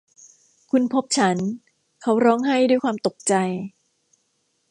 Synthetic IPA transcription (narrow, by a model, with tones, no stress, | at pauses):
kʰu˧npʰo˦˥p̚t͡ɕʰa˦˥n | kʰa˦˥wɾɔː˦˥ŋɦa˥˩jduː˥˩jkwaː˧mt̪o˨˩k̚t͡ɕa˧j